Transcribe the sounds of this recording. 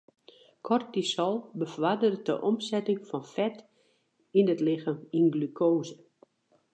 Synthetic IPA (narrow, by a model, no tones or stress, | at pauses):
kʰɔrt̚disɔlˠbəfwadərdə̰ʔɔmsɛtɪŋfɔnfɛt | inətlɪxaminɡlykʰoːzə